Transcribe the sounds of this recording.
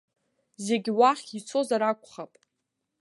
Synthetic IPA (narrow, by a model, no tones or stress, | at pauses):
ze̞ɡʲiwaχʲit͡sʰo̞zaɾakʷʰʼχapʼ